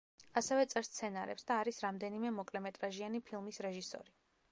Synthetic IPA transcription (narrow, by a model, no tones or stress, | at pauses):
asɛvɛt̪sʼɛɾst̪sʰɛnaɾɛ̰psd̪aːɾisɾamd̪ɛnimɛmɔkʼlɛmɛt̪ʼɾaʒianipʰilˠmisɾɛʒisɔ̰ɾi